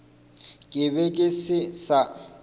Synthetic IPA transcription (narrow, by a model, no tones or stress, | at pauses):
kʼɪbɛkʼɪsɪsa